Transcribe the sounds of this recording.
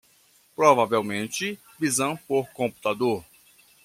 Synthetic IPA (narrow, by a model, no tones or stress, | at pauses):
pɾɔvavewmẽnt͡ʃɪ | vizɐ̃w̃poɾkõmpu̥t̪ad̪oɾ